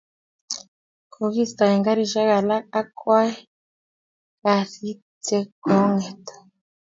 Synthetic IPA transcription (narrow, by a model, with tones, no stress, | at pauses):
kʰo˨ɣi˦st̪a˨ɛ˨ŋɡa˦ɾi˨ʃa˦ɣa˨la˦a˦kwa˦ɛ˦ | ka˨si˦ | tɛ˦kɔ˨˦ŋɛ˨t̪ḁ˨